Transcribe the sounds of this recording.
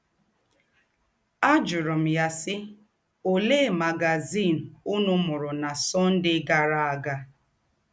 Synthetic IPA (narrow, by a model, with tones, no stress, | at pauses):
a˦d͡ʒʊ˨ɾʊ˨m̩˨ja˦sɪ˦ | o˨le˦˨ma˨ɡa˨zi˦˨n̩˨ʊ˦nʊ˦mʊ˨ɾʊ˨na˨sɔ˦n̩˦dɪ˦ɡa˨ɾa˦a˨ɡa˦